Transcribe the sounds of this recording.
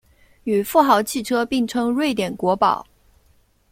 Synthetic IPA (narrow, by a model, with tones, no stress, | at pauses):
y˨˩fu˥˩xɑ˧˥ʊt͡ɕʰi˥˩ʈ͡ʂʰɤ˥pi˥˩ŋʈ͡ʂʰɤ˥ŋɻwe˥˩ɪt̪jɛ˨˩nkwɔ˧˥pɑ̰˨˩˦ʊ